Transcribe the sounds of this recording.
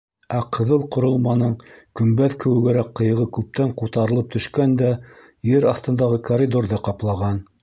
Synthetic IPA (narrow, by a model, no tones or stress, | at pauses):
æqɤ̆ðɤlˠqŏɾŏlˠmɑnɤɴkɵ̆mbæðkɘ̆wɘ̆ɡæɾækqːɤ̆jɤ̆ʁɤkʉp̚t̪æɴqut̪ɑɾɤ̆lˠɤp̚t̪ɵ̆ʃkænd̪æ | jɘɾɑθt̪ɤ̆nd̪ɑʁɤkoɾʲid̪orðɤqɑplˠɑʁɑn